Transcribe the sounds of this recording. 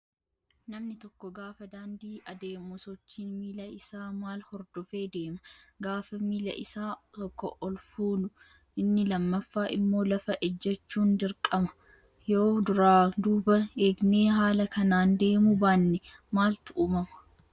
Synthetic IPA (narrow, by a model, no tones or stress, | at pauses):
nɐmnɪt̪ɔkːɔɡaːfɐd̪aːnd̪iːʔɐd̪e̞ːmusɔt͡ʃːiːnmiːlɐɪsaːmaːlhɔɾd̪ɔfe̞ːd̪e̞ːmɐɡaːfɐmiːlɐ̰ʔɪsaːt̪ɔkːɔ̰ʔɔlfuːnʊ | ɪnːɪlɐmːɐfːaːʔɪmːo̞ːlɐfɐʔɛd͡ʒːɛt͡ʃːuːnd̪ɪɾkʼɐmɐ̥ | joːd̪ʊɾaːd̪uːbɐeːɡne̞ːɦaːlɐkɐnaːnd̪e̞ːmʊbaːnːɛmaːlt̪ʊʔuːmɐmɐ